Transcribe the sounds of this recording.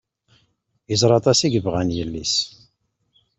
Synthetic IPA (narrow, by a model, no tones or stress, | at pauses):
izˤɾˤɑt̪ˤɑsiɡəvʁænjəlːis